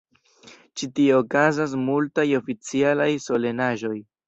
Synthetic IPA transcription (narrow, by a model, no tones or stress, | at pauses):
t͡ʃitioːkazas̬multajo̞fit͡sialajso̞le̞naʒo̞j